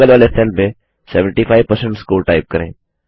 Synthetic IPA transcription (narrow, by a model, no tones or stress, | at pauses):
əlʋaːlesɛlmẽ | sɛʋə̃ɳʈipʰaːɪʋpɐɾsə̃ɳʈskoːʈaːɪp̚kɐɾḛ̃ː